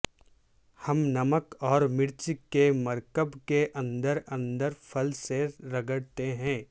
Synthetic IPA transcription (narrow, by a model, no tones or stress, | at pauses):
hɐmnɐməkɔːɾmɪɽt͡ʃɪkːemɐɾkəbkeʔɐ̃nd̪əɾɐ̃nd̪əɾfʰɐlseɾɐɡəɽt̪eɦɛ̃ː